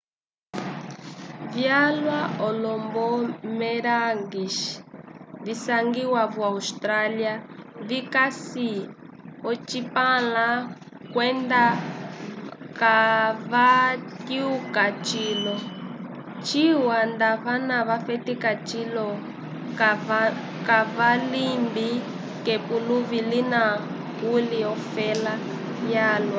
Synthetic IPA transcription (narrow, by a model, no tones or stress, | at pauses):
vjalwaʔɔlɔmbɔmɛɾaŋɡiʃ | visaŋɡiwaβwaustɾaliaβikasi | ɔt͡ʃipala | kwɛnda | kaβatiukat͡ʃiːlɔ | t͡ʃiwand̪aβanaβafɛtikat͡ʃilɔ | kaβalimbi | kɛpuluβilina | ɣuliɔfɛla | jaːlwa